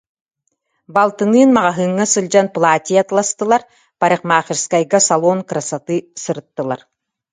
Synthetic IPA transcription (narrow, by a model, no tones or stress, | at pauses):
balˠt̪ɯnɯːnmaʁaɦɯŋːasɯlʲˠd͡ʑanplˠaːt̪ʲiat̪lˠast̪ɯlˠaɾ | paɾɯχqmaːχiɾskajɡasalˠɔːnkɾasat̪ɯsɯɾɯt̪ːɯlˠa̰ɾ